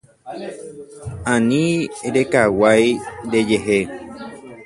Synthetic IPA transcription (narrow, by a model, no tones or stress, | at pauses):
ãnĩɾekawajɾed͡ʒeɦe